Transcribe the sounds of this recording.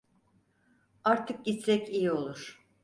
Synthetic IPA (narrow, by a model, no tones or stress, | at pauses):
aɾt̪ʰɯk̚ɟit̪sɛcijio̞lˠuɾ̥